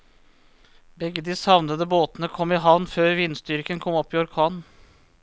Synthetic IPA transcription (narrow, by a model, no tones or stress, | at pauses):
bɛɡəd̪ɪsɑʋnəd̪əboːt̪nəkʰɔmːɪɦɑʋnføːɾʋɪnst̪ʏɾkənkʰɔmɔpːiːɔɾkʰɑːnn̩